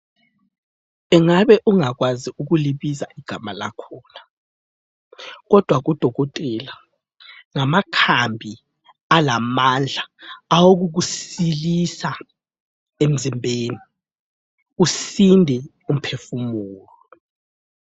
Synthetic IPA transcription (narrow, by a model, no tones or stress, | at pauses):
ɛŋaβɛʔuŋakwaziuɣ̬uliβiza̰ʔiɡ̥ʱamala̰kʰɔːna | ɣɔd̥ʱwaɣ̬ud̥ʱɔɣɔtʼɛla | ŋamakʰambʱi | alamand͡ɮʱaawok̬uk̬usilisa | em̩zimbʱeːni | usindʱɛ | um̩pʰefumuːlɔ